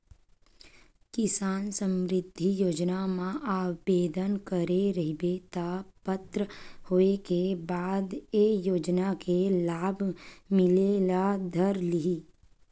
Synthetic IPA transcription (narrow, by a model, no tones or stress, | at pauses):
kɪsaːnsə̃mɾɪd̪ʱːijoːd͡ʒnamãʔaːbeːd̪ʱənkəɾeɾəɦibet̪apət̪ɾəhoːekebaːd̪eːjoːd͡ʒnakelaːbʱmɪlelad̪ʱəɾlɪɦiː